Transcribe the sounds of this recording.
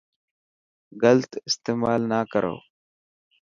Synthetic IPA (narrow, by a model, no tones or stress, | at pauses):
ɡəlt̪ɪst̪eːmaːlnaːkəɾo̰ː